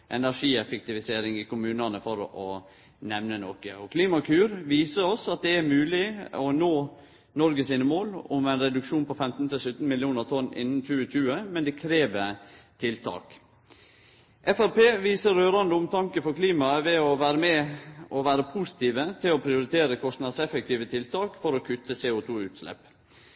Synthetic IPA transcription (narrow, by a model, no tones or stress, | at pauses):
ʔɛnæʂiːɛfɛk̚t̪ɪʋɪseːɾɪŋɪkʊmʉːnɑnəfɔɾɔ | nɛʋnənɔːkə̰ɔkʰliːmɑkʰʉːɾʋiːsəɾɔsɑt̪̚d̪ɛæɾmʉːlɪɔnoː | nɔɾɡəsiːnəmoːlʊ̰mæɛɪnɾɛd̪ʉkʃuːnpʰɔfɛmt̪n̩t̪ɪlsʉt̪n̩mɪlɪjuːnəɾt̪ʰɔnːɪ̰nːn̩c͡çʉːəc͡çʉːəmɛnd̪ɛkʰɾeːʋət̪ʰɪlt̪ʰɑ̰ːk | ʔɛfæɾpeːʋiːsəɾøːɾɑnd̪əʊmt̪ʰɑŋkəfɔɾkʰliːmɑʋɛɔʋæːɾəmɛʔɔʋæːɾəpʰusɪ̥t̪iːʋət̪ʰɪlɔpʰɾɪʊɾɪt̪ʰeːɾəkʰɔst̪nɑd̪sɛfək̚t̪iːʋət̪ʰɪlt̪ʰɑːkfɔɾɔkʰʉt̪ːəseːʊt̪ʰuːʉːt̪slɛ̰p